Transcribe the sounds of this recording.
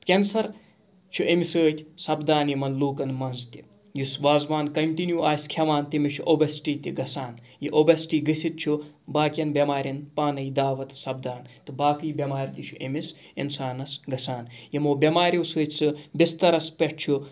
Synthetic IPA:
kʲensɐɾ | t͡ʃʰuʔemisəːt̪ʲsɐbd̪aːnjimɐnluːkɐnmɐnzt̪ʲi | jusʋaːzʋaːnkɐɳʈinjuaːskʰɐʋaːnt̪imit͡ʃʰuʔobɐsʈiːt̪ʲiɡɐsaːn | jiʔobɐsʈiːɡɨsit̪̚t͡ʃʰubaːkjɐnbʲɐmaːɾʲɐnpaːnɐjid̪aːʋɐt̪sɐb̚d̪aːnt̪ɨbaːkɨjbʲɐmaːɾʲit̪ʲit͡ʃʰuʔemisḭnsaːnɐsɡɐsaːnjimoːbʲɐmaːɾʲjiwsəːt̪ʰʲsɨbist̪ɐɾɐspʲeʈ̚ʰt͡ʃʰu

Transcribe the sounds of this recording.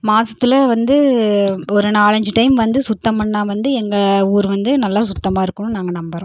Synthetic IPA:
maːsɐt̪ːɯlɐʋɐnd̪ɯ | ɔɾɯnaːɭɐɲd͡ʒɯʈɐɪmʋɐnd̪ɯsʊt̪ːɐmpɐɳːãːʋɐnd̪ɯɛŋɡɐuːɾʋɐnd̪ɯnɐlːaːsʊt̪ːɐmaːɪɾɯkːɯnʊnaːŋɡɐnɐmbɐɾõ

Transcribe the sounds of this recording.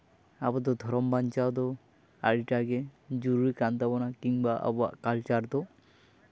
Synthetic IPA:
abɔd̪ɔd̪ʱɔɾɔmbant͡ʃawd̪ɔ | a̰ɽiʈaɡɛd͡ʒuɾuɾikant̪abɔnakiŋbaʔa̰bɔa̰ʔkalt͡ʃaɾt̪ɔ

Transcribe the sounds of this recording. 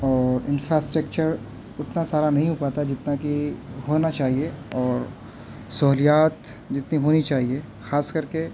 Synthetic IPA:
ɔːɾɪ̃nfɾasʈɾək̚t͡ʃəɾ | ʊt̪nasaːɾanɐɦĩɦʊpaːt̪ad͡ʒɪt̪nakiɦoːnat͡ʃaːɦieɔːɾ | sɐɦlijaːt̪ | d͡ʒɪt̪niɦoːnit͡ʃaːɦie | xaːskɐɾke

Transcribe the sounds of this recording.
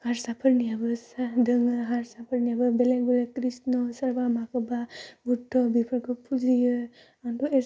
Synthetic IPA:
haɾsapʰəɾnijabɯsad̪əŋɦaɾsapʰəɾniabɯbeleɡulekɾisnɔsəɾbamakɔbabuʈʰːɔbipʰəɾkɔpʰud͡ʒijɯ | anʈue

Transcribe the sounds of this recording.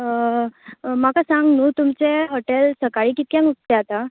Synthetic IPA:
ə | makasãŋɡnũːt̪umt͡seɦoʈelsəkaɭiːkit̪̚kjãŋut͡st̪eat̪a

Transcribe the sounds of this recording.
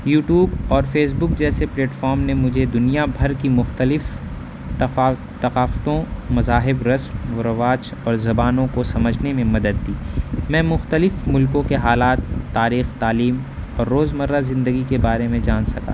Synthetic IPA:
juːʈjuːbɔːɾfeːs̬bʊk̚d͡ʒɛːsepleːʈfɔːɾmnemʊd͡ʒʱed̪ʊnijabʱɐɾkimʊxt̪əlɪf | t̪ɐ | t̪ɐqaːft̪õmɐzaːɦɪbɾɐsmʋʊɾɐʋaːt͡ʃ | ɔːɾzɐbaːnõkosɐməd͡ʒʱnemẽmɐd̪əd̪̚ːiːmɛ̃ːmʊxt̪əlɪfmʊlkõkeɦaːlaːt̪ːaːɾiːxt̪aːliːmɔːɾːoːzmɐɾːazɪ̃nd̪əɡikebaːɾemẽd͡ʒaːnsɐka̰ː

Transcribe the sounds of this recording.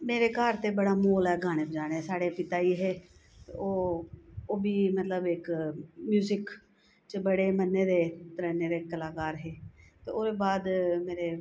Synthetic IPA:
meːɾeːkaːɾt̪eːbəɽaːmoːlɛːɡʱaːɽ̃eːbəd͡ʒaːɽ̃eːsaːɽeːpɪt̪aːiːɦeːt̪ḛoː | oːbiːmət̪ləbɪkmjuːzɪk | t͡ʃəbəɽeːmənːeːɾeːt̪əɾəːneːɾeːkəlaːkaːɾɦeːt̪eːoːd̪eːbaːd̪meːɾeː

